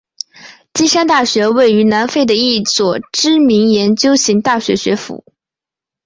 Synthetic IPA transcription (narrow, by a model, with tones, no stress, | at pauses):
t͡ɕi˥ʂa˥nt̪a˥˩ɕɥɛ˧˥we˥˩ɪy˧˥na˧˥nfe˥˩ɪd̪ə˩i˥˩swɔ˨˩ʈ͡ʂɻ̩˥mi˧˥ŋjɛ˧˥nt͡ɕjo˥ʊɕi˧˥ŋt̪a˥˩ɕɥɛ˧˥ɕɥɛ˧˥fṵ˧˥˦